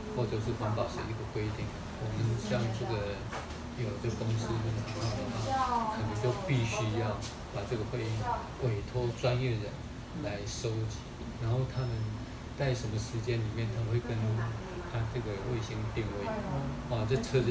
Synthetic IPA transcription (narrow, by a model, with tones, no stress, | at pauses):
xwɔ˥˧ʈ͡ʂɤ˧ʂ̬ɻ̩˥˩xə˧˥npɑ˨˩ʂi˥˧i˧˥˩ɡə˨kwe˥ɪt̪i˥˩ŋ | wɔ˨˩mə˦nɕjɑ˥˧ŋʈ͡ʂɤ˥˩ɡə˩ | jo˨˩ʊ˩ə˥˧kʊ˥ŋs̩˥wə˥˧˩nt̪ʰa˨˩˧a˥˩d̪ə˨˩xwa˥˩kʰə˨˩nə˧˥ŋt͡ɕjo˥˧ʊpi˥˩ɕy˥jɑ˥˩ʊ | pa˨˩ʈ͡ʂɤ˥˩ɡə˩xwe˥˧ɪi˥˩ŋ | we˨˩ɪt̪ʰo˥ʊt͡swa˥njɛ˥˩ɻə˧˦˥n | la˧˥ɪʂo˥ʊt͡ɕi˨˩˦ | ɻa˧˥nxo˥˩ʊt̪ʰa˥mə˨˦n | t͡sa˥˩ɪʂə˧˥nmə˧ʂɻ̩˧˥t͡ɕjɛ˥nli˨˩mjɛ˥˩nt̪ʰa˥mə˧we˥˩ɪkə˥n˥ | t̪ʰa˥ʈ͡ʂɤ˥˩ɡə˩we˥˩ɪɕi˥ŋd̪ə˨˩t̪i˥˧ŋwe˥˩ɪ˥˩˧ | ʈ͡ʂɤ˥˩t͡sʰɤ˥